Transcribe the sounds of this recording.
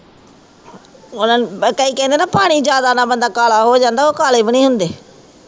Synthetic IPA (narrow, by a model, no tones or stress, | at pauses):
ʊnaːnkəiːkɛ̃ːnd̪eːnaːpaːɽ̃iːd͡ʒjaːd̪aːnãːbənd̪aːkaːlaːɦoːd͡ʒãːnd̪aːoːkaːleːbəɽ̃iːɦʊnd̪eː